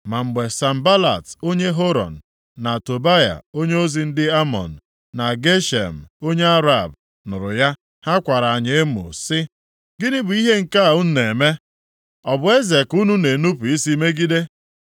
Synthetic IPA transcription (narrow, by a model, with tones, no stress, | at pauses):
ma˨m̩˨ɡ͡be˨sa˨m̩˨ba˦la̰˨to˦ɲe˦ɦo˦ɾɔ̰˨n̩˨ | na˨to˨ba˦ja̰˨o˦ɲe˦o˦zi˨n̩˦dɪ˦a˦mɔ̰˨n̩˨ | na˨ɡe˦ʃḛ˨m̩˨o˦ɲe˦a˦ɾa˨b̚ | nʊ˨ɾʊ̰˨ja˦ | ha˦kʷa˨ɾa˨a˨ɲe˨e˦mʊ̰˨sɪ˦ | ɡɪ˦nɪ˦bʊ˨i˦ɦe˦ŋ̩˨ka˦a˨ʊ˦n̩˦ne˨me˦ | ɔ˨bʊ˨e˦ze˨ku˦nu˦ne˨nu˦pu˨i˦si˦me˦ɡi˦de˦